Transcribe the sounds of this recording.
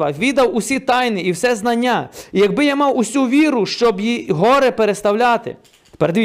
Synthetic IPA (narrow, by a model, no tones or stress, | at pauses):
ɐʋʲid̪ɐwʊsʲit̪ɑjnɪiwsɛznɐnʲːaijɐɡ̚bɪjamɑwʊsʲuʋʲiɾʊʃt͡ʃɔbjiɦɔɾɛpeɾest̪ɐwlʲat̪ɪ̰ | peɾd̪ʲʋʲi